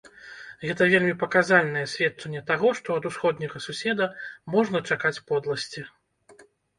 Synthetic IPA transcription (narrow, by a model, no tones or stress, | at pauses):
ɣɛt̪ɐvʲelʲmʲipɐkazalʲnɐjɛsʲvʲɛt̪̚t͡ʂɐnʲːɛt̪aɣɔʂt̪ɔɐd̪usxɔd̪nʲɐɣɐsusʲɛd̪ɐmɔʐnɐt͡ʂakat͡sʲpɔd̪lˠɐsʲt͡sʲi